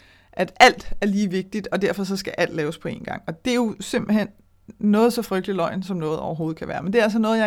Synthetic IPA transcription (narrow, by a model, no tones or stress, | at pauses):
ʔæd̥æl̰d̥æɐliːʋe̝ɡ̥̚d̥id̥ɒ̽d̥æɐ̰fɒ̽s̬ɒ̽sɡ̥æʔæl̰d̥lɛːʊspʰɒ̽e̝̰ːnɡ̥ɑ̈ŋ̰ɒ̽d̥e̝jo̝se̝m̰b̥l̩hen̰ | nɔ̽ːð̩ˠsɒ̽fʁœɡ̥̚d̥lilɒ̽ɪ̰nsɒ̽mnɔ̽ːð̩ˠɒʊɐɦo̝ːð̩ˠkʰæʋæːɐmend̥e̝æls̬ɒnɔ̽ːð̩ˠjɑ